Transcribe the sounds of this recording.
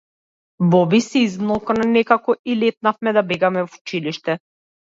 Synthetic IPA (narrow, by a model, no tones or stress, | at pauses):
bɔbisɛizmlˠɔkanɛnɛkakɔilɛt̪̚nafmɛd̪abɛɡamɛvu̥t͡ʃiliʃt̪ɛ